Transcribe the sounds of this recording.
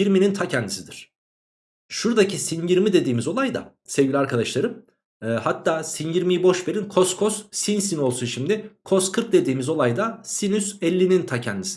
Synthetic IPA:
jiɾminint̪ʰacʰɛnd̪isid̪iɾ̥ | ʃuɾd̪acisinjiɾmid̪e̞d̪iːmizo̞lˠajd̪a̰ | sevɟʲilʲiaɾkʰad̪aʃlˠaɾɯmː | hat̪ʰːaːsinjiɾmijibo̞ʃbeɾinkʰo̞skʰossinsino̞lˠsuʃimlʲɪkʰo̞skʰɯɾk̚d̪e̞d̪iːmizo̞lˠajd̪asinysɛlʲːinint̪ʰacʰɛnd̪isi̥

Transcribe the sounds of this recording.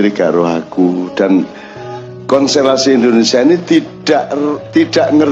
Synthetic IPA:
ɾiɡ̥aʔɾoɦakuɖ̥an | kɔnselasiind̪onesianit̪id̥aʔt̪iɖ̥aʔŋər

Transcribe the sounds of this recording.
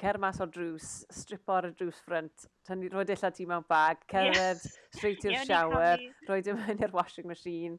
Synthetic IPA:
kʰɛrmasɔdruːsːtrɪpʰɔɾədruːsfrəntʰ | əniroːjdɪɬatʰiːmɛwnb̥aːɡ̥kʰɛvɛðstrejtʰɪ̥ʃawɛrroːjdəmanirwɔʃɪŋməʃiːn

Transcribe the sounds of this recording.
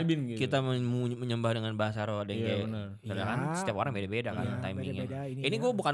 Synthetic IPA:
bɪnɡkitt̪aməmuməɲəmbahdəŋanbaɦasaɾodɛŋɡe | kəakansə̥t̪iapoɾaŋbedabedaka̰nt̪aimɪŋja | iniɡuɛbuka

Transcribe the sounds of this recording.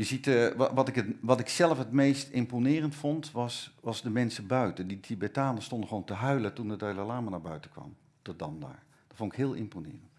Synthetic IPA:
jəzitʋɑtɪkəʋɑtɪksɛlˠəfɦətmejstɪmponɪːrəntfɔntʋɑsʋɑzdəmɛnsəbœɥtənditʰibɛtaːnəstɔndəχʋowntəɦœɥlətundədɛjləlaːmanaːɹbœ̰ɥtəkʋɑ̰m | tɔdɑmda̰ːɹ | d̥ɔtfontɪkɦɪːlˠɪ̰mponɪ̰ːrənt

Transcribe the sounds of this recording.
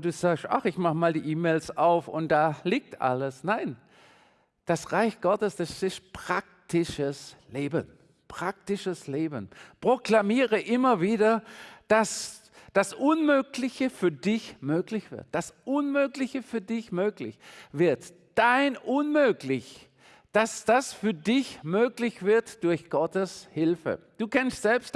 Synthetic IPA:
d̥uːzaːksta̰χɪçmaχəmaːldiːʔiːmeːlsaʊfʊ̰nt̚d̥aːliːk̚tʔa̰ləsnaɪn | d̥asʁaɪçɡ̥ɔtəsd̥asɪst̚pʁ̥ak̚tɪʃəsleːbən | pʁ̥ak̚tɪʃəsleːbənpʁ̥oklamiːʁəʔɪmɐviːdɐd̥as | d̥asʔʊnmøːklɪçəfyːɐdɪçmøːklɪçv̥ɪ̰ɐt̚d̥asʔʊnmøːklɪçəfyːɐdɪçmøːklɪ̰çv̥ɪɐt | d̥aɪnʔʊnmøːklɪç | d̥asd̥asfyːɐdɪçmøːklɪçv̥ɪɐtd̥ʊɐçɡ̥ɔtəshɪlfə̰d̥uːkʰɛnstz̥ɛlpst

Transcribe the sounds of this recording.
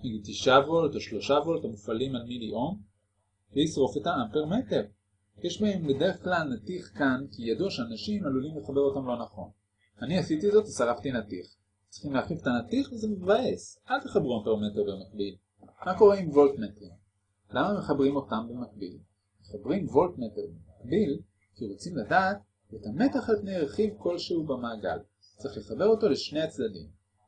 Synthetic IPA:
itiʃavoltoʃlo̞ʃavo̞ltamufalimalmiliʔo̞m | veisʁo̞fe̞taampeʁmete̞ʁ | jeʃbaemledeflanatiχkankijaduaʃeanaʃimalulimleχabe̞ʁo̞tamlo̞naχo̞̰n | aniasitizo̞tvesaʁaft̪inatiχ | t͡sʁiχimleaχivetanatiχvezemevae̞salte̞χabʁuampeʁmeteʁbemak̚bil | mako̞ʁeimvo̞ltmeteʁ | lamame̞χabʁimo̞tambemak̚bḭl | meχabʁimvo̞ltmeteʁbemakbil | kiʁo̞t͡simladaːt | etame̞taχalpnejʁe̞χivko̞lʃeubemaːɡa̰l | t͡sʁiχle̞χabe̞ʁo̞to̞leʃnejat͡sdadḭm

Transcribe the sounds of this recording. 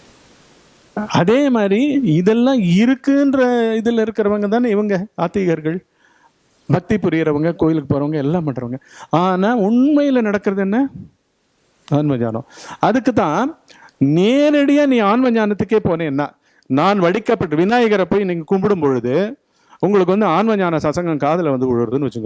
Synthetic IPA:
ɐðeːmaːd̪ɾiɪðɛlːãːɪɾɯkːɯndrɐɪðɪlːɪɾɯkːɪɾɐʋɐŋɡɐt̪̬ãːnɪʋɐŋɡɐaːt̪ːɪjɐɣɐɾɣɐɭ | bɐk̚t̪ipːʊɾɪjɪɾɐʋɐŋɡɐkoːjɪlɯkːɯ̥poːɾɐʋɐŋɡɐɛlːãːpɐʈːɐʋɐŋɡɐaːnaːʊɳmɐjɪlɐnɐɽɐkːɯɾɐðɯɛnːɐ | aːnʋɐɲa̰ːnõ̰ɐðɯkːɯt̪ːãː | neːɾɐɽɪjaːnĩːaːnʋɐɲaːnɐt̪ːɯkːeːpoːnẽːɛnːaː | naːnʋɐɽɪkːɐpːɐʈːɯʋɪnaːjɐɣɐɾɐpːoːjniːŋɡɐkʊmbɪɽɯmpɔɻɯðɯ | ʊŋɡɐɭɯk̬ːɯʋɐnd̪ɯaːnʋɐɲaːnɐsɐsɐŋɡɐmkaːðɪlɐʋɐnd̪ɯʊɻɯɾɐðɯnːɯʋɐt͡ʃːɯŋɡɐ

